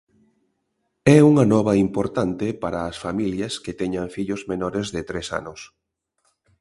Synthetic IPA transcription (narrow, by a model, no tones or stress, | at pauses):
ɛuŋɐnɔβɐimpoɾt̪ant̪epaɾaːsfamiljɐsket̪ɛɲaɱfiʎʊzmenɔɾezðɪt̪ɾesa̰nʊs